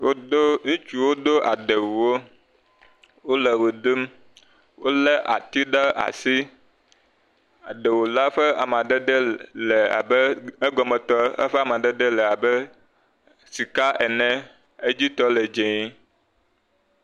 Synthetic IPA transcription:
wo˦do˦ŋũ˦t͡ʃu˦wo˦d̪o˦ʔa̰˨ɖe˨wo˨wo˦ | wo˦lɛ˨we˨ɖ̪ɨ˦m | wo˦lɛ˦ʔa̰˨t̪i˦ɖa˦ʔa̰˨si˦ | a˨ɖe˨wo˨la˦ɸɛ˦a̰˨mã˨ɖɛ˦ɖ̪ɛ˦lɛ˨a̰˨bɛ˦e˦ɡɔ˨mɛ˨t̪ɔ˦ɛ̰˦ɸɛ˦a˨mã˨ɖɛ˦ɖ̪ɛ˦lɛ˨a˨bɛ˦ | si˨ka˦ʔɛ˨nɛ̃˦ | e˦d͡ʑi˦t̪ɔ˦lɛ˨d͡ʒẽ˨i˦

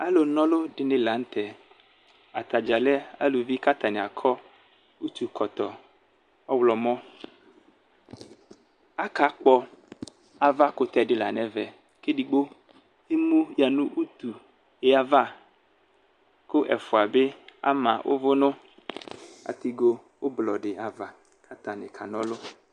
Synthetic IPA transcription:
a˦lo˨nɔ̃˦lo˦ɖɪ˨nɪ̃˨la˨n̩˦t̪ɛ˨ | a˨t̪a˨d͡ʒa˨lɛ˦a̰˦lo˨vi˦ka˦t̪a˨nɪ̃˨a˨kʰɔ˦ | u˦t̪u˨kʰɔ˨t̪ɔ˨ | ɔ˦wlɔ˨mɔ̃˦ | a˦ka˨˦k͡pɔ˦ | a˨va˦kʊ˨t̪ɛ˨ɖɪ˦la̰˨nɛ̃˨vɛ˨ | ke˦di˨ɡ͡bo˦ | e˦mũ˦ja˨nũ˦ʔu˦t̪u˨ | e˨˦a˨va˦ | kʊ˦ʔɛ̰˨fo˨a˨be˦a̰˦mã̰˨wʔo̰˦vo˦nʊ̃˦ | a̰˨t̪i˦ɡo˦ | wo˦blɔ˨ɖɪ˨a˨va˨ | kʰa˦t̪a˨nɪ̃˨kʰa˨nɔ̃˦lʊ˦

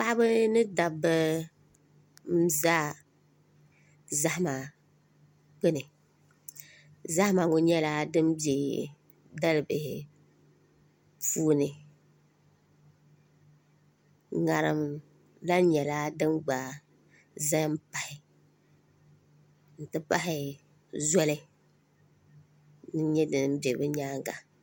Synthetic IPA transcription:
k͡pa˦ʔbɨ˦nɨ˦da˨bɨ˦ | m̩˦zaː˦ | za˦hɪ˦ma˨ | k͡pe˦nɨ˨ | za˦hma˨ŋo˨ɲɛ˦la˦dɨ˦mbi˦˨e˨ | da˦lɨ˨bɪ˨hɪ̰˨ | puː˦nɨ˨ | ŋa˨ɾɨ̰˨m | la˦ɲɛ˨laː˦dɨ˦mɡ͡ba˨ | za˦m˦pa˨hɪ˨ | n̩˨tɨ˦pa˦ɦɪ˨ | zɔ˦lɪ˦ | nɨ˦ɲɛ˦dɨ˨nɨ˦m˦be˨ɾbɨ˦ɲaː˦ŋɡa̰˨

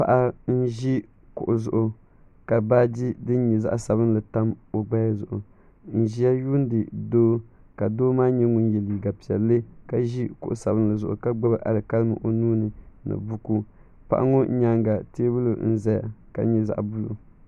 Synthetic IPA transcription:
pa̰˨ʔa˦n̩˦ʒi˦ | kʊ̰˨ʔʊ˨zʊ˨ʔʊ˨ | ka˨baː˦di˦dɨ˦n̩˦ɲɛ˨za̰˦ʔsa˨βɨ˦n˦lɨ˨ta˦mo˨ɡ͡ba˦ja˦zʊ˨ʔʊ˨ | n̩˨ʒi˦a˦ju˦n˦dɨ˨doː˦ | ka˨doː˦maː˦ɲɛ˦ŋu˦n˦jɛ˨li˨ɡa˨pi˨ɛ̰˨lːɨ˦ka˨ʒi˦kʊ̰˨ʔʊ˨sa˨bɨ˦n˦lɨ˨zʊ˨ʔʊ̰˨ka˦ɡ͡ba˦bɨ˦ʔa̰˨lɨ˨ka˦lɨ˦mɨ̰˨ʔo˨nuː˦nɨ˨na̰˨bu˦ku˦ | pa̰˦ʔa̰˦ŋo˦ɲa˦ŋɡa˨teː˦bɨ˦lʊ˨n̩˦za˦ja̰˨ka̰˨˦ɲɛ˦za̰˦ʔbu˦lṵ˨

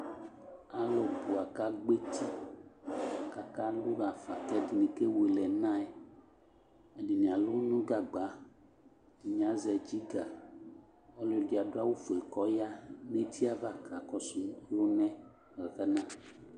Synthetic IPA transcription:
a˨lɔ˨bu˨a˨ka˦ɡ͡be˦t̪ʰi˦˨ | ka˨ka˦lu˦ɾa˨fa˨t̪ɛ˦di˨nĩ˨ke˦we˨lɛ˨nã˦ɛ˨ | e˨di˨nĩ˨a˨lu˦nũ˦ɡa˨ɡ͡ba˨˦ | di˨ɲĩ˨ã˨˦zɛ˨d͡ʒi˦ɡa˨ | ɔ˦lɔ˨di˨a˨do˦a˦wo˦fo˨ɛ˨kɔ˨˦ja˦nẽ˦t̪ʰi˦a˦va˦˨ka˨kɔ˦su˨˦o˦nɛ̃˦ | ɣɛ˨ɣɛ˦nã˦˨

